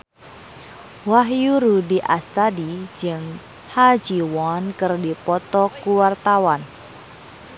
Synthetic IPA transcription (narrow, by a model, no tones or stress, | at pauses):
waɦjuɾudiʔast̪adid͡ʒɨŋ | had͡ʒiwɔnkɨrdipɔt̪ɔkuwart̪awan